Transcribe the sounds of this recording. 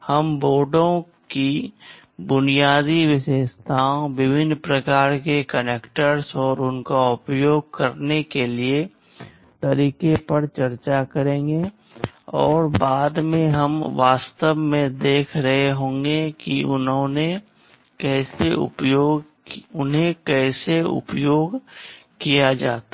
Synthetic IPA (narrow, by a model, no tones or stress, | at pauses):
hɐmboːɖõ | ki | bʊnijaːd̪iʋɪʃeːst̪ʰaːõʋɪbʱɪnpɾəkaːɾkekəneːkʈəɾsɔːɾʊnkaʊpjoːɡ̚kəɾnekelie | t̪ɐɾiːkepəɾt͡ʃɐɾt͡ʃakəɾẽːŋɡe | ɔːɾbaːd̪mẽɦɐmʋaːst̪əʋmẽd̪eːkʰɾɐɦeɦõːŋɡekiʊnɦõne | kɛːseʊ̰pjoːɡ | ʊnɦẽkɛːseʊ̰pjoːɡ | kijad͡ʒaːt̪a